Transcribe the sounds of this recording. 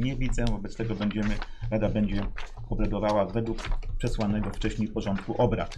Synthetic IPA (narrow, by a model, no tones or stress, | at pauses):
ɲɛvʲid̪zɛvɔbɛt̪st̪ɛɡɔbɛɲd͡ʑɛmɘ | ɾad̪abɛɲd͡ʑɛ | ɔbɾad̪ɔvawavɛd̪wukpʂɛswanɛɡɔft͡ʂɛɕɲejpɔʐɔnt̪̚kuʔɔbɾa̰t̪